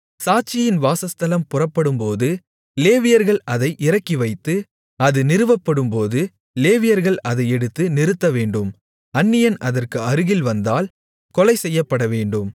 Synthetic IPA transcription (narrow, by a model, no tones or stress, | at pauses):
saːt͡ʃɪjɪnʋaːsɐst̪ɐlɐmpʊrɐpːɐɽɯmpoːðɯ | leːʋɪjɐɾɣɐɭɐðɐɪʔɪɾɐkːiʋɐɪt̪ːɯ | ɐðɯnɪɾɯʋɐpːɐɽɯmpoːðɯ | leːʋɪjɐɾɣɐɭɐðɐɪɛɽɯt̪ːɯnɪɾɯt̪ːɐʋeːɳɖɯm | ɐnːɪjɐnʔɐðɐrkɯɐɾɯɣɪlʋɐnd̪aːl | kɔlɐɪsɛjːɐpːɐɽɐʋeːɳɖɯm